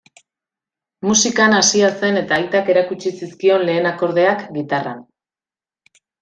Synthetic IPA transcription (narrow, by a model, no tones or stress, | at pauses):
musikanasiase̞ne̞t̪aːjt̪ake̞ɾakut͡ʃisiskio̞nle̞ːnako̞ɾð̞e̞akɡit̪ara̰n